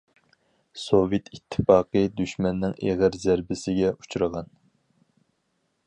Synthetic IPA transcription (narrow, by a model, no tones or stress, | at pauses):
sovet̪ʰit̪ʰːɪ̥fɑːqəd̪yʃmɛnːɪŋeʁəɾzæɾbɪsɪɡʲɛut͡ʃʰɾəʁɑn